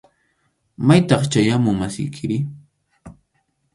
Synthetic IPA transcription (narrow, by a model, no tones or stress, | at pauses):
majt̪ɑχt͡ʃajamʊŋmasɪ̰jkʰɪɾɪ